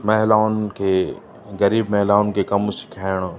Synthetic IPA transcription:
mɐɦlaːʊnkʰeː | ɣɐɾiːbmɐɦlaːʊnkʰekɐmsɪ̥kʰaːɪɽ̃

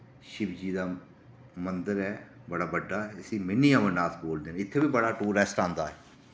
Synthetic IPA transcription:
ʃɪbd͡ʒiːd̪aː | mənd̪əɾɛː | bəɽaːbəɖːaːɛɪsĩːmɪnːiːãːmənnaːt̪boːld̪eːnːɪt̪ʰːeːbiːbəɽaːʈuːɾɛsʈãːnd̪aːɦɛː

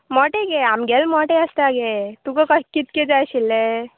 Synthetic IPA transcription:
mɔʈeɡeamɡelmɔʈeɐst̪aɡet̪ukɔkɐkːit̪̚ked͡ʒajʃilːe

